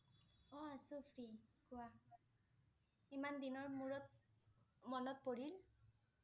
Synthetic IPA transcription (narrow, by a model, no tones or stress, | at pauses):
ɔasupʰɹikʊwa | imandinɔɹmuɹɔt | mɔnɔt̚poɹil